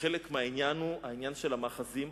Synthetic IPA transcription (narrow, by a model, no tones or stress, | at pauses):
elekmeainjanuainjanʃelamaːχazim